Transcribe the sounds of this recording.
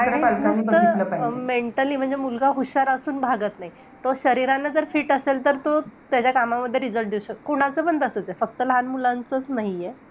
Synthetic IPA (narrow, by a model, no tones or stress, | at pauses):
aɽimust̪ələpameɳʈəliːm̤əɳd͡zemulɡaɦuɕaɾəsuːnbʱaɡət̪naɦi | t̪oɕəɾiɾanːad͡zəɾfiːʈəselt̪əɾt̪ot̪jat͡ɕjakamaməd̪ʱːjeɾid͡zəlʈ̚d̪iwɕəkoɽ̃at͡səbənd̪əsət͡sefək̚t̪əlɦanmulant͡sət͡snaɦije